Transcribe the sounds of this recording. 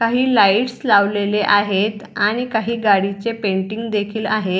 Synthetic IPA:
kaɦiːlaiʈslaʋleleʔaɦet̪aɽ̃ikaɦiːɡaɽit͡sepeɳʈiŋɡd̪ekʰiːlaɦe

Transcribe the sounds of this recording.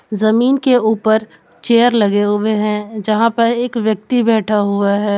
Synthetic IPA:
zɐmiːnkeuːpəɾ | t͡ʃeːəɾlɐɡeɦʊeɦɛ̃d͡ʒɐɦãpɐɾeːkʋjək̚t̪ibɛːʈʰaɦʊaɦɛː

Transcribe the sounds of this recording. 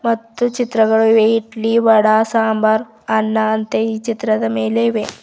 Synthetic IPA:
mɐt̪ːut͡ɕit̪ɾɐɡɐɭuʋeiʈliːʋɐɽasambaɾ | anːaːnt̪ɐit͡ɕit̪ɾɐd̪ɐmeleʋe

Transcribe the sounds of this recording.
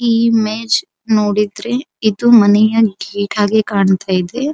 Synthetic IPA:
iːmeːd͡ʒ | noːɽid̪ɾe | id̪umɐnɛjɐɡeːʈʰaːɡekaːɳt̪aːjid̪e

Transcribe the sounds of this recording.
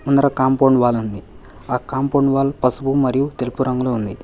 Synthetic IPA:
unːɐɾɐkaːmpoːɳɖʋaːlund̪iaːkaːmpoːɳɖʋaːlpɐsubumɐɾijut̪elupuɾɐŋɡuloːund̪i

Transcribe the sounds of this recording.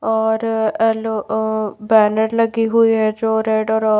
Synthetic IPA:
ɔːɾɛlobɛːnəɾləɡiɦuiɦɛd͡ʒoːɾeɖɔːɾɔ

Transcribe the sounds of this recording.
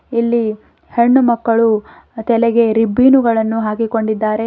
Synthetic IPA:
ilːi | heɳːumɐkːɐɭu | t̪ɛlɛɡe̞ɾibːiːnuɡɐɭɐnːuɦaːkiko̞ɳɖid̪ːaːɾe̞

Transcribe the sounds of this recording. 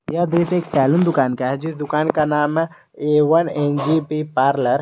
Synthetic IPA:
jad̪ɾiseːksɛːlʊnd̪ʊkaːnkaɦɛd͡ʒɪsd̪ʊkaːnkanaːmɦɛ | eːʋənẽnd͡ʒipipaːɾləɾ

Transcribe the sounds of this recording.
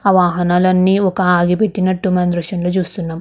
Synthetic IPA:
ɐʋaːɦɐnɐlɐnːiokːaaːɡipeʈːinːɐʈːumɐnd̪ɾɐʂɐnlɐd͡ʒuːst̪ːunːɐm

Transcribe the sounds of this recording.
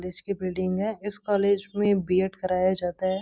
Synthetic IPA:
leːd͡ʒkebɪlɖɪ̃ŋɡɦɛ̃ɪskɔːleːd͡ʒmẽbieːʈkɐɾaːjad͡ʒaːt̪aɦɛː

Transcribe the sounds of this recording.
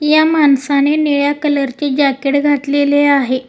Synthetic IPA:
jamansaneneɭjakələɾt͡ɕed͡ʑakeʈɡʱat̪leleaɦe

